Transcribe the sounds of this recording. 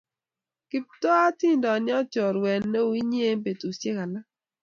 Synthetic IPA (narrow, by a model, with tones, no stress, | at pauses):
kɪ˦p̚tɔ˦a˦ti˦˨ndɔ˨nɪ˦ɔ˦t͡ʃɔ˨ɾwɛ˨nːe˦˨i˦ɲ˦e˦m˦pe˨to˨sje˦ka˨la˦